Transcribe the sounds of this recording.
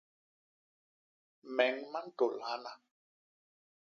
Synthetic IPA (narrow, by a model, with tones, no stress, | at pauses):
mɛ˨˦ŋma˦n̩˦to˨la˨˦na˨